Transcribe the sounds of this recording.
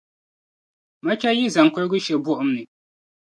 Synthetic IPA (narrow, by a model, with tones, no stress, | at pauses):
ma˦t͡ʃa˦ji˦za˨ŋ˨kɔ˦ɾɡʊ˦ʃɛ˨bʊ˦ʔʊ˦mnɨ˨